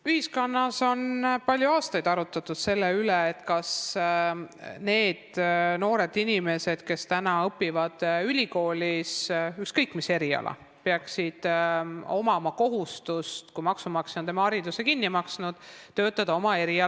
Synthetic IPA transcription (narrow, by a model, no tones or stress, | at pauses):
yhisko̞nːɑso̞npɑlʲjuɑːst̪ɑjd̪ɑɾut̪ːˑɑt̪ːˑud̪̥se̞lːeyleet̪ːkɑs | ne̞ːd̪̥no̞ːɾe̞d̪inime̞se̞d̪̥ke̞st̪ænɑɤpːˑivɑd̪̥ylʲiko̞ːlʲisykskɤjkːˑmise̞ɾiɑ̰lʔɑ̰ | peɑksid̪̥o̞mɑmɑko̞ɦust̪ust̪kujmɑksumɑksinund̪emɑɑɾid̪use̞kinːimɑksnud̪̥t̪ø̞ːt̪ːˑɑd̪̥ɑo̞mɑe̞ɾiɑ